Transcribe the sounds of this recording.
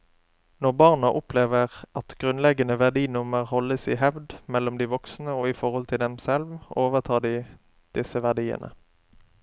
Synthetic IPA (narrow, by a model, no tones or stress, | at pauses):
nɔʁbɑʁnɑʔʊpʰleːʋəʁʔɑt̪ɡ̥ʁʉnlɛɡənəʋæʁd̪iːnʊməʁhɔlːəsiːɦɛʋd̪mɛlːɔmd̪iːʋɔksnəoːifɔʁhɔlt̪ʰɪld̪ɛmsɛlʋoːʋəʁt̪ʰɑːd̪iː | d̪̥ɪsəʋæʁd̪iːə̰nʔə̰